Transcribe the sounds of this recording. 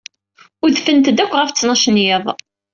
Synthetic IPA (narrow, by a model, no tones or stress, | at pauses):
ʊɾðfənt̪d̪ækʷːʁæft͡sːnɑʃənjeðˤ